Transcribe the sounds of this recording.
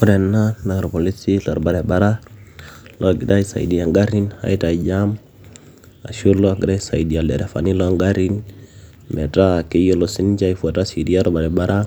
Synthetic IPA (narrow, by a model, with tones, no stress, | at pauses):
ku˦dɛ˨nːa˦na˨ɾpo˨li˦si˦la˨ɾba˨ɾɛ˨baɾa˦ | lo˦ɡi˨da˦i˦sa̰˨ḭ˨di˨a˨ŋɡa˦ɾi˦nha̰˨i˦ta˨d͡ʒam | a̰˨ʃu˦lo˦a˨ɡi˨ɾa˦sa̰˨idi˨a˨dɛ̰˨ɾe˨fa̰˨ni˦lo˦ŋɡa˦ɾi˦n | mɛ̰˨ta˦ke˦jo˦lo˨si˦nd͡ʒa˦i˦fua˨ta˦si˨di˦a˦ɾo˦ba˨ɾɛ˨ba˦ɾa˦